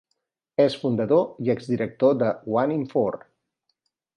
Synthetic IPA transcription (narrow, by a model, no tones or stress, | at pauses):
esfund̪əðoiɛɡzd̪iɾək̚t̪od̪əwaniɱfoɾ